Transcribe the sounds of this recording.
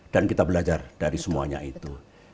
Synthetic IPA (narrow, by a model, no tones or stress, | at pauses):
d̥ankit̪abəlad͡ʒard̥aɾisəmuaɲa̰it̪u